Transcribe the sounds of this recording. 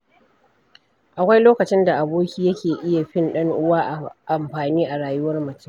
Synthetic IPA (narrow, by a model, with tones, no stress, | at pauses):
ʔa˨kʷa˦jloː˦kɐ˨t͡ʃɪ˦nda˨ʔa˨boː˦kʲiː˨jɐ˦kʲeː˨ʔɪ˦ja˨ɸɪ˦nɗɐ˦ŋʔʊ˦waː˦ʔʔa˨mɸaː˨niː˦ʔa˨ɽaː˨jʊ˦wɐ˦rmɐ˨t͡ʃɪ˦m